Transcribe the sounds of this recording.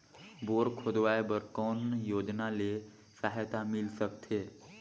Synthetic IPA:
boːɾkʰod̪ʋajbəɾkɔːnjoːd͡ʒnale | saɦjt̪amɪlsəkt̪ʰeː

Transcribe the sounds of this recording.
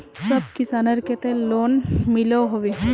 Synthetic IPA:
sɐb̚kɪsaːnəɾket̪ẽloːnmɪloɦoʋeɦ

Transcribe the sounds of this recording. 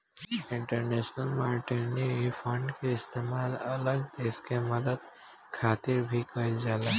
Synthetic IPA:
ɪɳʈəɾnesnəlmaːɾʈeɾniipʰəɳɖkeɪst̪eːmaːlə̰ləɡd̪eːskeməd̪əd̪ | kʰaːt̪iɾbʱikəɪld͡ʒaːla

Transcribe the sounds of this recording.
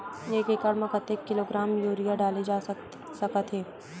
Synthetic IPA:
jeːkeːkaɾmɐkət̪eːkːɪloːɡɾaːmjoːɾijaɖaːlid͡ʒaː | sɐkət̪ɦeː

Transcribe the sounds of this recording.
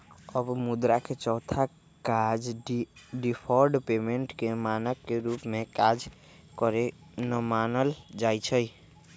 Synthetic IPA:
əbmud̪ɾakʰet͡ʃɔɦt̪ʰa | kad͡ʒ | ɖipʰɔɾɖpemeɳʈkemanəkːeɾupmekad͡ʒ | kɔɾenəmanəld͡ʒajt͡ʃʰəj

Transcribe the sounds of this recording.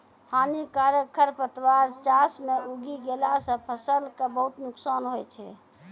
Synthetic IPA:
hʰanikaɾjəkʰəɾpət̪waɾt͡ʃasmeuɡiɡelasə̃pʰəsəlkebəɦut̪nuksanɦojt͡ʃʰɛ

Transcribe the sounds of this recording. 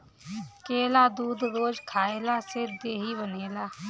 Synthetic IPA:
keːlad̪uːd̪ɾoːd͡ʒkʰaːeːlased̪eːɦibəneːlaː

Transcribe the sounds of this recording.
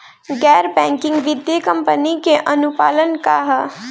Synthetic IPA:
ɡɛːɾbɛ̃ːŋkɪ̃ŋɡʋɪd̪jəkɐ̃mpənikeʔɐnʊpaːlənkaɦ

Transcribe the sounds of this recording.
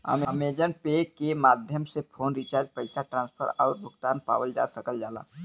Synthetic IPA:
ə̰mameːd͡ʒənpekemaːd̪ʱjəmsepʰoːnɾit͡ʃaːɾd͡ʒpəɪsaʈɾãːnspʰə̰ɾɔːɾbʱʊɡt̪aːnpa̰ːwəld͡ʒa̰ːsəkəld͡ʒaːla̰ː

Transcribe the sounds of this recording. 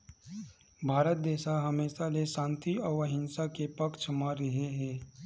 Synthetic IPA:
bʱaːɾət̪̚d̪eːʃaɦɐmeːʃaleʃãːnt̪iɔːɾʋəɦɪnsakepɐkt͡ʃʰmaɾɐɦeɦɛ̃ː

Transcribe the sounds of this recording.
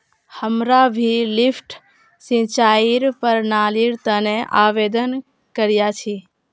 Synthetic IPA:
həmɾabʱilɪfʈ | sĩt͡ʃaːiɾpəɾnaːliɾt̪ənẽʔaːʋeːd̪ən | kəɾjat͡ʃʰi

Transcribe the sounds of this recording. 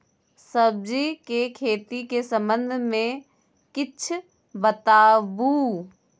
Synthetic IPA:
səb̚d͡ʒikekʰeːt̪ikesə̃mbə̃nd̪ʱmẽ | kɪt͡ʃʰ | bət̪aːbu

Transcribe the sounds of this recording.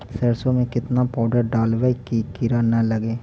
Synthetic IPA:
sɐɾsõmẽkɪt̪napaːɖəɾɖaːlʋekikɪɾanɐlɐɡeː

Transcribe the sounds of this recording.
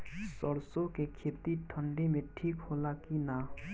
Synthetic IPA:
sɔɾsokekʰet̪iʈʰəɳɖemẽʈʰiːkhoːlakina

